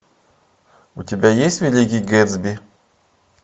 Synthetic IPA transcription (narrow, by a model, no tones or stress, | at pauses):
ʊtʲɪbʲajesʲtʲvʲɪlʲikʲɪjɡɛd̪zbʲi